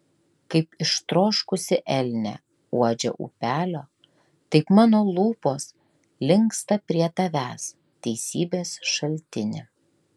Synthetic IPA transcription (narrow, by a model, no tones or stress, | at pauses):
kɐɪpɪʃt̪ɾoːʃkʊsʲɪʔɛlʲnʲɛ̰ | uɔd͡ʒʲɛ̰ʔṵpʲæːlʲoː | t̪ɐɪpmɑːnoːlˠuːpoːs | lʲɪŋkst̪ɐpʲɾʲiɛt̪ɐʋʲæːs | t̪ʲɛɪsʲiːbʲeːsʃɐlʲt̪ʲɪnʲɪ̰